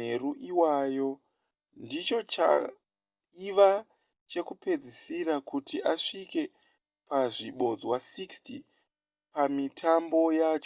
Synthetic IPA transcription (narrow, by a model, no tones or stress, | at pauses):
eruʔiwaːjo̞ | ndit͡ʃo̞t͡ʃa̰ | iʋa | t͡ʃe̞kupe̞d͡zisiɾakutiʔaʂike̞ | paʐiɓo̞d͡zwasiksti | pamitʰambo̞jat͡ʃo